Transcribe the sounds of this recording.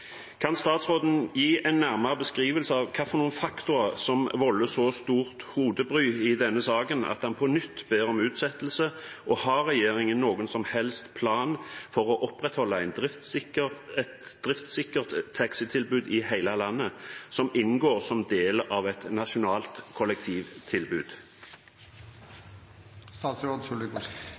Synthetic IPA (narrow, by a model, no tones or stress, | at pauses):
kʰɑnst̪ɑːt̪sʁoːd̪n̩jiːʔæɪnːæʁmɑʁəbəskʁiːʋəlsəɑʋkʰɑːfɔʁnuːənfɑkt̪ʊɾɑsɔmʋɔlːəsɔst̪uːʁt̪huːd̪əbʁyːɪd̪ɛnːəsɑːɡənɑ̰t̪̚d̪ɑnpʰɔnʏt̪ːbeːʁɔmʉːt̪sɛt̪ːəl̩səʔɔhɑʁɛjeːɾɪŋənːoːɡʊnsɔmhɛlst̪pʰlɑːnfɔʁɔʔɔpʁɛt̪hɔlːəæɪnd̪ʁɪt̪ət̪d̪̥ʁɪft̪sɪkəʁt̪ʰːɑksət̪ʰɪlbʉːd̪ɪhæɪləlɑnːəsɔmɪnɡoːʁsɔmd̪eːlɑʋɛt̪nɑʃʊnɑːlt̪kʰɔlɛk̚t̪ʰiːʋt̪ʰɪlbʉːd̪̥ | st̪ɑːt̪sɾoːd̪sʊlɪk